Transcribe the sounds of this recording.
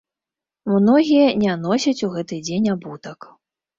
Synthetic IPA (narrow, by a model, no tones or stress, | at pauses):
mnɔɣʲijɐnʲanɔsʲɐt͡sʲuɣɛt̪ɨd͡zʲenʲabut̪ɐk